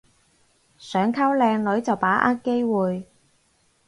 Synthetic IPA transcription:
sœː˨˥ŋkʰɐ˥wlɛː˧ŋlɵ˨˥ɥt͡sɐ˨wpaː˨˥ʔaː˥t̚ke˥jwuː˨j

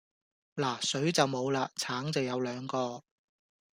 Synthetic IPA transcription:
laː˨˩sɵ˨˥ɥt͡sɐ˨wmo˨˧wlaː˧t͡sʰaː˨˥ŋt͡sɐ˨wjɐ˨˧wlœː˨˧ŋkɔː˧

